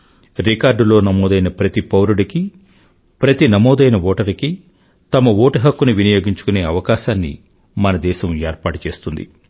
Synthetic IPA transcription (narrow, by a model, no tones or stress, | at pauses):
ɾikaːɾɖulo̞ːnɐmɔːd̪ɐjnɐpɾɐt̪ipɐwɾuɽiki | pɾɐt̪inɐmɔːd̪ɐjnɐʋoːʈɐɾiki | t̪ɐmɐʋoːʈɐɦɐkːuniʋinijo̞ːɡiɲt͡ʃu̥kune̞ːɐʋɐkaːʃaːnːḭ | mɐnɐd̪ɛːʃɐmeːɾpaːʈut͡ʃe̞ːst̪und̪ḭ